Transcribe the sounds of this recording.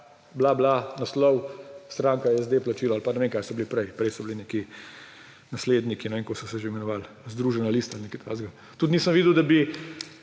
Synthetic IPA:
blablanaslɔwst̪ɾaːŋkajɛzd̪eplat͡ʃiːlaalpanɛʋeŋkaːjsɔbilipɾɛjpɾɛjsɔbilineki | nasleːd̪nikinɛʋeːŋkosɔsɛʒeimɛnɔʋaːl | zd̪ɾuːʒɛnaliːst̪alnekit̪ʰa̰zɡa | t̪ut̪niːsəmʋiːd̪əwd̪abi

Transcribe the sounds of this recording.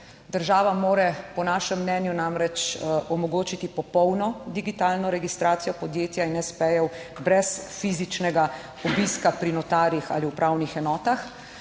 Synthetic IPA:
d̪əɾʒaːʋamoːɾɛpɔnaːʃɛmːnɛːnjunamɾɛt͡ʃʔɔmɔɡoːt͡ʃit̪ipɔpɔwnɔd̪iɡit̪aːlnɔɾɛɡist̪ɾaːt̪sijɔpɔd̪jeːt̪jainːɛspɛjɛwbɾɛsfizit͡ʃnɛɡa | ɔbiskapɾinɔt̪aːɾixa̰ːliwpɾaːwnixɛnɔːt̪ax

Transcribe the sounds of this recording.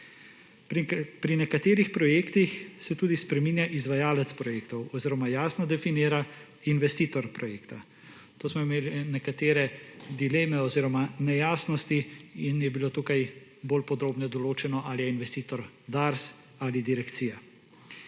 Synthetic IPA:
pɾinɛkat̪eːɾixpɾɔjeːkt̪ixsɛt̪uːd̪ispɾɛmiːnjaʔizʋajaːlɛt̪spɾɔjeːkt̪ɔwɔziːɾɔmajaːsnɔd̪ɛfiniːɾa | inʋɛst̪iːt̪ɔɾpɾɔjeːkt̪a | t̪oːsmɔimeːlinɛkat̪eːɾɛd̪ileːmɛɔziːɾɔmanɛjaːsnɔst̪iinjɛbiloːt̪ukajboːlpɔd̪ɾoːbnɛd̪ɔloːt͡ʃɛnɔʔalijɛinʋɛst̪iːt̪ɔɾ | d̪aɾs | aːlid̪iɾɛkt̪siːja

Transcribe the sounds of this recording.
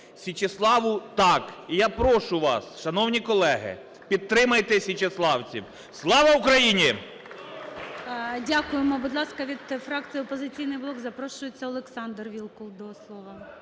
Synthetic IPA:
sʲit͡ʃeslˠɑʋʊt̪ɑkijapɾɔʃʊʋɑ̰sʃɐnɔwnʲikɔlˠɛɦɪ̰ | pʲid̪̚t̪ːɾɪmɐjt̪ɛsʲit͡ʃeslˠɑwt͡sʲiw | slˠɑʋɐukɾɐjinʲi | dʲakʊjemɔbud̪lˠɑskɐʋʲid̪fɾɑk̪sɨjɔpɔzɪt͡sʲijnɪjblˠɔkzɐpɾɔʃʊjet͡sʲːɐɔlˠeksɑnd̪rʋʲilˠkɔw̪d̪ɔslˠɔʋɐ

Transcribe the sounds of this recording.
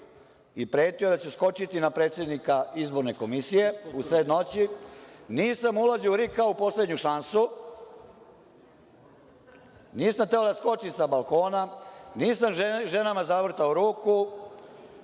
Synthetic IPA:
ipɾe̞ːt̪ijod̪at͡ɕesko̞t͡ʃit̪inapɾe̞ːt̪sje̞d̪nikaizbo̞ɾne̞ko̞misije̞usɾed̪no̞t͡ɕiniːsamulaziuɾikaupo̞sle̞d̪ɲuʃansu | niːsamt̪eod̪asko̞t͡ʃisabalˠko̞ːnaniːsamʒe̞namazaʋr̩t̪aoɾuːku

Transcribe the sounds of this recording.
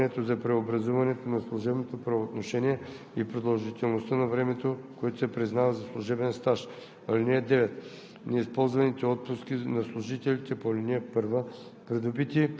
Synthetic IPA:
nɛt̪ozɐpɾɛobɾɐzuvɐnɛt̪onɐslˠuʒɛbnot̪opɾɐot̪noʃɛniɛ | ipɾod̪ɐlˠʒit̪ɛlˠnost̪ənɐvɾɛmɛt̪okoɛt̪o̥sɛpɾiznavɐzɐslˠuʒɛbɛnst̪aʃ | ɐlinɛɛd̪ɛvɛt̪ | nɛispɔlˠzvɐnit̪ɛɔt̪̚pʊskinɐslˠʊʒit̪ɛlʲit̪ɛpolʲiniəpɤɾvə | pɾɛd̪ubit̪i

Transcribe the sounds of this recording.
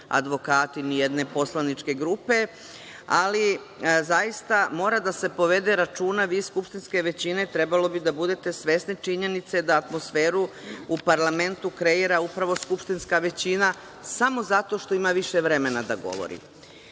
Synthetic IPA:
a̰d̪ʋo̞kaːt̪inijed̪ne̞po̞slanit͡ʃke̞ɡɾupe̞ | ali | zajist̪amo̞ːɾad̪ase̞po̞ʋe̞d̪e̞ɾat͡ʃuːnaʋiːskupʃt̪inske̞ʋe̞t͡ɕine̞t̪ɾe̞balo̞bid̪abud̪e̞t̪e̞sʋe̞snit͡ʃiɲe̞nit̪sed̪aːt̪mo̞sfe̞ːɾuupaɾlame̞nt̪ukɾe̞iɾaupɾaʋo̞skupʃt̪inskaʋe̞t͡ɕina | samo̞zat̪o̞ʃt̪o̞imaʋiʃe̞ʋɾe̞me̞nad̪aɡo̰ʋo̞̰ɾḭ

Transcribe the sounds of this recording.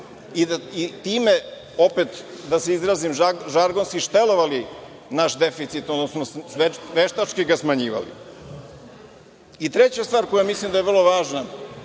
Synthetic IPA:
iit̪iːme | o̞pet̪d̪aseizɾazimaʒaɾɡo̞nskiʃt̪eloʋali | naʃd̪e̞fit̪sit̪od̪nosmossʋeʋeʃt̪at͡ʃkiɡasmaɲiːʋa̰lḭ | it̪ɾet͡ɕast̪ʋaːɾkojamislimd̪ajeʋr̩lˠoʋaːʒna

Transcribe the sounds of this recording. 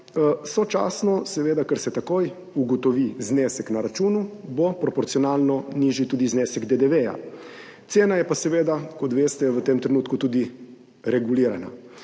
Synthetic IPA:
sɔt͡ʃa̰ːsnɔsɛʋeːd̪akəɾsɛt̪akoj | uɡɔt̪ɔʋiznesɛknaɾat͡ʃuːnubopɾɔpɔɾt̪siɔnaːlnɔniʒit̪uːd̪izneːsɛɡd̪ed̪ɛʋeja̰ | t̪seːnajɛpasɛʋeːd̪akɔt̪ʋeːst̪ɛʋət̪emt̪ɾɛnuːt̪kut̪uːd̪i | ɾɛɡuliːɾana̰

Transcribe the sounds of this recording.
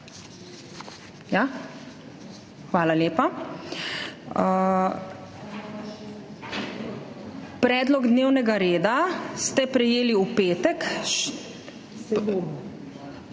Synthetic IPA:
ja | xʋaːlaljeːpa | pɾɛːd̪lɔɡd̪neːwnɛɡaɾeːd̪ast̪ɛpɾɛjeːliupeːt̪ɛk

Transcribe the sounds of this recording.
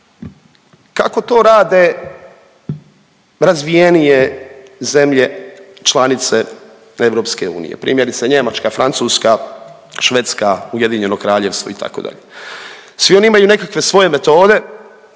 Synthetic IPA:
kako̞t̪o̞ːɾaːd̪e | ɾazʋije̞nijeze̞mʎe̞t͡ʃlˠanit̪se̞ | e̞ʋɾo̞ːpske̞ṵːnḭjḛpɾḭːmjeɾit̪saɲe̞mat͡ʃkafɾant̪suːska | ʃʋet̪skauje̞d̪iɲe̞no̞kɾaːʎe̞ʋst̪ʋoit̪ʰa̰ko̞̰d̪a̰ʎe | sʋio̞niimajune̞kakʋe̞sʋo̞je̞me̞t̪o̞ːd̪e̞

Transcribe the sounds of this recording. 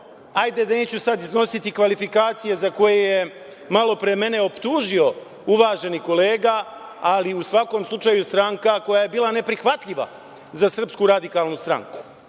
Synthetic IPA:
ajd̪ed̪ane̞ːt͡ɕusad̪izno̞sit̪ikʋalifikaːt̪sije̞zako̞jeje | malo̞pɾeme̞ne̞opt̪uːʒio̞ | uʋaːʒe̞niko̞le̞ːɡa | aliusʋako̞ːmslˠut͡ʃajust̪ɾaŋkako̞jaje̞biːlane̞pɾixʋat̪ʎʲiʋa̰ | zasr̩pskuɾad̪ikaːlˠnust̪ɾa̰ŋku̥

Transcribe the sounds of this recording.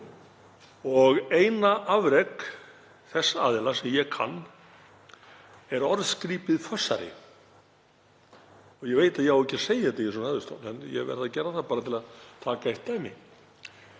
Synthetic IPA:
ɔɣeːjnaʔavɾɛk | θɛsːaa̰ːðɪlasɛmjɛkʰa̰nː | ɛɾɔɾðskɾiːpɪðfœsːa̰ɾɪ̰ | ɔɣjɛɣveːjt̪aðjɛhawɛcːaɾ̥seːjɪɛt̪ɪjɪsɔnɛðʏ̥st̪o̰nɛ̰njɛ̰vɛ̰ɾðaðcɛɾaθapaːɾat̪ʰɪlaðt̪ʰaːkaeht̪ɛmɪ̰

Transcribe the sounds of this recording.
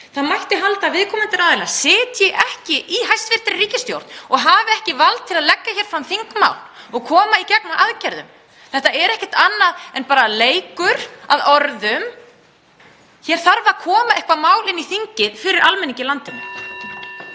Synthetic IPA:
θaðmajht̪ɪɦalt̪avɪðkʰɔːmɪnt̪ɪɾaðɪlnḁsɪːt̪jɛɣʔɛhcɪʔiɦajst̪vɪr̥t̪ɪɾriːcɪst̪jo̰wɾt̪nɔɣɦavɪɛhcɪvalt̪t̪ʰːɪlaðlɛkːaçɛɾ̥fɾamθiŋkma̰ːwlɔɣkʰɔːmaicɛknaʔaðcɛɾðʏ̰m | θɛht̪aɛɾɛhcɛ̥t̪anːaðɛnpaːɾaleːjkʏɾ̥aðɔɾðʏm | çɛːɾ̥θaɾvakʰɔːmaɛhkvamaːwlɪniθiɲcɪðfɪɾɪɾʔalmɛnːiɲcɪlant̪ɪm

